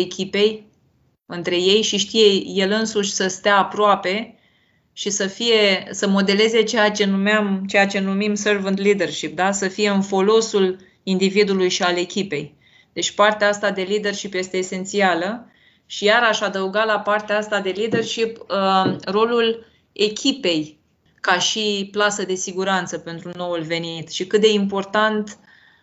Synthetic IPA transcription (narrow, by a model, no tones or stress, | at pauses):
ekʲipe̞j | ɨnt̪ɾe̞je̞jʃiʃt̪ije̞je̞lɨnsuʃʲsəst̪eaːpɾoape̞ | ʃisəfije̞səmo̞d̪e̞le̞ze̞t͡ʃejat͡ʃe̞numeamt͡ʃe̞jat͡ʃe̞numimsərvɨnt̪lid̪e̞rʃip̚d̪asəfije̞ɨnfo̞lo̞sul | ind̪ivid̪ulujʃiale̞kʲipe̞j | d̪̥e̞t͡ʃʲpart̪eaast̪ad̪e̞lid̪e̞rʃipje̞st̪e̞ːse̞nt̪sialə | ʃijaɾaʃad̪əuɡalapart̪eaast̪ad̪e̞lid̪e̞rʃip | ro̞lul | e̞kʲʰipe̞j | kaʃiplasəd̪e̞siɡuɾant̪səpe̞nt̪ɾuno̞wulve̞nit̪ʃikɨt̪̚d̪e̞impo̞rt̪ant̪